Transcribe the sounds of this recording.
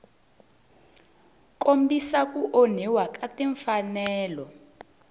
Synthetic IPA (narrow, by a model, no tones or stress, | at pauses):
kombisak̬uʔon̤iwakatiɱfanɛːlɔ